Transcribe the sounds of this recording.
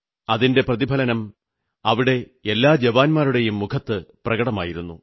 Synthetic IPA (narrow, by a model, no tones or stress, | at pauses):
ɐðinde̞prɐðibʱɐlɐnɐm | ɐʋiɽe̞ | elːaːd͡ʑɐʋaːnmaːɾuɽe̞jumːukʰɐt̪ːɨprɐɡɐɽɐma̰ːjiɾunːṵ